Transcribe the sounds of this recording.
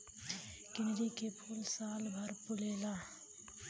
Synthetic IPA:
kɪnɾikepʰuːlsaːlbʱəɾpʊleːlaː

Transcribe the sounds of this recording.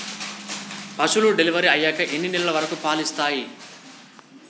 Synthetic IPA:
pɐʂuluɖeliʋɐɾiɐjːaːkɐʔenːinilɐlɐʋɐɾɐkupaːlist̪aːji

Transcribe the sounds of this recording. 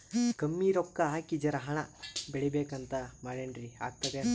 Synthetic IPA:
kɐmːiːɾokːɐaːkid͡ʒɐɾɐɦɐɳɐbeɭibeːkɐnt̪ɐmaːɖeɳɖɾia̰ːɡ̚t̪ɐd̪e

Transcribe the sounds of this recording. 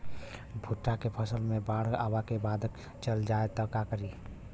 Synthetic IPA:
bʱuʈːakepʰəsəlmẽbaːɽ̤a̰ːbakebaːd̪ | t͡ʃəld͡ʒaet̪əkakəɾi

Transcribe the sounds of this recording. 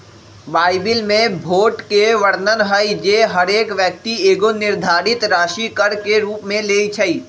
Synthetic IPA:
baːɪbɪlmẽbʱoːʈkeʋəɽnənɦəid͡ʒeːɦɐɾeːkʋjək̚t̪ieːɡonɪɾd̪ʱaːɾɪt̪ɾaːʃikəɾkeɾuːpmẽleːit͡ʃʰɐiː

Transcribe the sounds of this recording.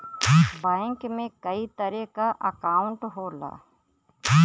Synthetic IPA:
bãːɪŋkmẽkɐit̪ɐɾɛkaʔɐkaːʊ̃ɳʈɦoːla̰ː

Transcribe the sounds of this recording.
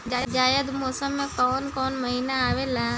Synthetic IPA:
d͡ʒad͡ʒaːjəd̪mɔːsəmːẽkɔːnkɔːnməɦiːnaaːʋelaː

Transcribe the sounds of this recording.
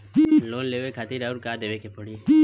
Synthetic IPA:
loːnleʋekʰat̪iɾauɾkad̪eʋekʰepoɽie

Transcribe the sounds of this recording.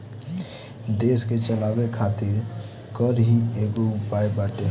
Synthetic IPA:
d̪eːsket͡ʃəlaːbekʰat̪ɪɾ | kəɾɦieɡoʊpaebaʈe

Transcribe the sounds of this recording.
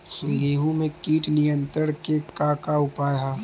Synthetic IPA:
sʊ̃ŋɡeːɦũmẽkiːʈnɪjə̃nt̪ɾəɽ̃kekakaʊpaːja

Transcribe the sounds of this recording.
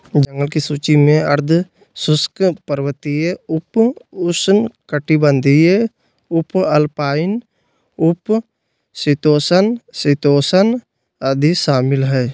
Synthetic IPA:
d͡ʒə̃ŋɡəlkisuːt͡ʃimẽəɾd̪ʱ | sʊskpəɾʋət̪ijeʊpʊsnkəʈibənd̪ʱie | ʊpəlpaːɪn | ʊp | sɪt̪oːsənsɪt̪oːsən | əd̪ʱiʃaːmɪlɦɛː

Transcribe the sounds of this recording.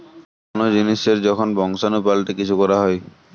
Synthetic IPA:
konod͡ʑiniseɾd͡ʑɔkʰonbɔŋsanupalʈekit͡ɕʰukɔɾaɦɔj

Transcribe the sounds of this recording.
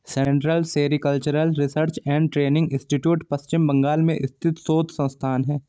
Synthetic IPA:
sẽɳʈɾəlseːɾikəlt͡ʃəɾəlɾɪsəɾt͡ʃɛ̃ːɳɖʈɾeːnɪ̃ŋɡɪ̃sʈiʈjuːʈpɐst͡ʃɪmbɐ̃ŋɡaːlmẽʔɪst̪ʰɪt̪soːt̪sə̃ñst̪ʰaːnɦɛː

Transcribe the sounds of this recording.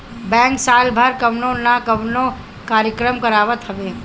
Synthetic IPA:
bɛ̃ːŋksaːlbʱəɾkəʋnõnakəʋnõ | kaːɾjəkɾəmkəɾaːʋət̪ɦɐʋeː

